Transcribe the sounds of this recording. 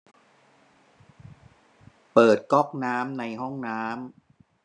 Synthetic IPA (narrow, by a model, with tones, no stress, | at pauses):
pɤː˨˩t̪̚kɔ˦˥˩k̚naː˦˥mna˧jɦɔ˥˩ŋnaː˦˥m